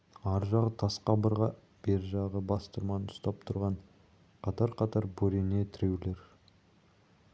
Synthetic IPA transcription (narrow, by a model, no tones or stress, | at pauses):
ɑɾʒɑʁət̪ʰɑsqɑbəɾʁɑ | b̥e̞ɾʒɑʁəbɑst̪əɾmɑnəʊ̥st̪ɑp̚t̪ʰʊɾʁɑɴ | qʰɑt̪ɑɾqʰɑt̪ɑɾbɵɾene̞t̪ʰɪɾewle̞ɾ